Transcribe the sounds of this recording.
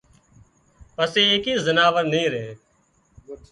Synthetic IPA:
pəseːekiːzənaːʋəɾnəĩːɾẽː

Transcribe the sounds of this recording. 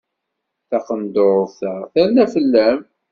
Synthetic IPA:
θɑqənd̪oɾˤθəʁθæɾnæfəlːæm

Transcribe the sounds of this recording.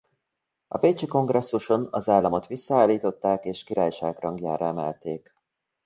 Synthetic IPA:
ɒ̰beːt͡ʃiko̞ŋɡrɛsːuʃo̞nɒzaːlːɒmo̞t̪ʋisːɒaːlːiːt̪o̞t̪ːaːkeːʃkiɾaːjʃaːɡrɒŋɡja̰ːɾɒɛmɛ̰lt̪eːk

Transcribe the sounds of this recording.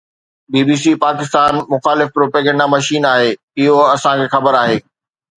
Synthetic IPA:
biːbiːs̬ipaːkɪst̪aːnmʊxaːlɪfpɾoːpeːɡɛ̃ɳɖamɐʃiːnaːɦeː | ɪɦoɐsãkʰeːxɐbəɾaːɦeː

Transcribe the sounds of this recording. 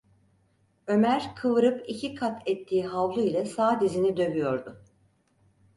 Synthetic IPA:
ø̞mæɾkʰɯvɯɾɯpicʰikʰat̪ʰɛt̪ʰːiːɦavlˠuilʲˠasaːd̪izinid̪ø̞vyjo̞ɾd̪ʊ

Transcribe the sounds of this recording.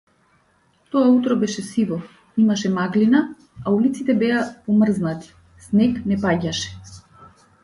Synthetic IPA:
t̪ɔaut̪ɾɔbɛʃɛsivɔ | imaʃɛmaɡlina | aulit̪sit̪ɛbɛapɔmr̩znat̪i̥ | snɛknɛpaɟaʃɛ̥

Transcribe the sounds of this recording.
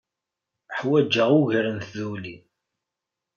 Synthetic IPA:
ħwæd͡ʒːəʁuʝɾənθðuli

